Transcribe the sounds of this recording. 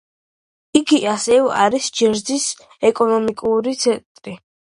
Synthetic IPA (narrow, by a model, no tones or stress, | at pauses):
iɡiʔasɛva̰ɾisd͡ʒɛɾd̪zis | ɛkʼɔnɔmikʼuɾit̪sʰɛnt̪ʼɾi